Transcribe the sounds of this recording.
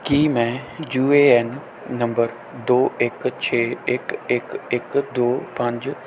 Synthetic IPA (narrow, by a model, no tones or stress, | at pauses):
kiːmɛ̃ːd͡ʒuːeːɛnː | ɐ̃mbəɾ | d̪oːɪkt͡ɕʰeːɪkɪkɪkd̪oːpɐ̃ɲd͡ʑ